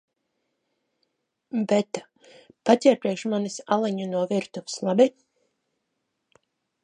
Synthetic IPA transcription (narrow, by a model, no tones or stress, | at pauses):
bɛt̪ḁ | pat̪ʲɛɾp̪ɾʲɛkʃmanisalˠiɲunuɔviɾt̪uvslˠabi